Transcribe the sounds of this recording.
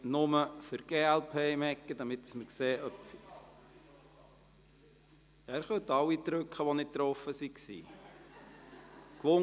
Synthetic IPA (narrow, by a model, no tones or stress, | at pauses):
nʊməfʏɾɡ̥eːælpʰemɛkːəd̪ɑmɪt̪ə̥sməɾkseːʔœp̚s | æɾχœt̪ɑwːit̪ɾɵkχəʋɔnɪt̚t̪ːɾɔfːəsiksḭː | klʊ